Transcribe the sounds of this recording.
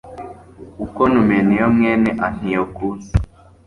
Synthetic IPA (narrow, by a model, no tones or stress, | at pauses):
ukonumenijomŋeːneʔan̥ijokunzi